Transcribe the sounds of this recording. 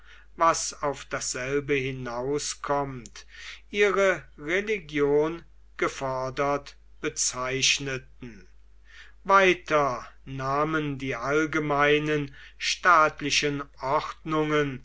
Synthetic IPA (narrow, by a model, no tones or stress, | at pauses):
vasaʊfd̥asz̥ɛlbəhɪnaʊskʰɔmtʔiːʁəʁeliɡjoːn | ɡ̥əfɔɐdɐt | b̥ət͡saɪʃnətn̩ | vaɪtʰɐnaːməndiːʔalɡəmaɪnən | ʃtaːtlɪʃənʔɔχtnʊŋən